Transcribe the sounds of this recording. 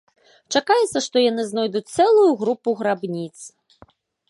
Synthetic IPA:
t͡ʂakajɛt̪sɐʂt̪ɔjanɨznɔjd̪ut͡sʲt̪sɛlˠujuɣɾupuɣɾabnʲit̪s

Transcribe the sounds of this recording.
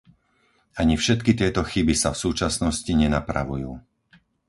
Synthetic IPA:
aɲifʃɛt̪kit̪ɪɛt̪ɔxibisafsuːt͡ʃasnɔsciɲɛnapɾa̰ʋujuː

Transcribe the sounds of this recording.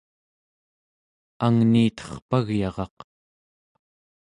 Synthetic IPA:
aŋniːt̪ʌ̥χpaɣjɑʁɑq

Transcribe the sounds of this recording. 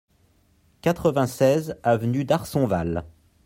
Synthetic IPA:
kat̪χəvɛ̃sɛzavnyd̪aʁsɔ̃val

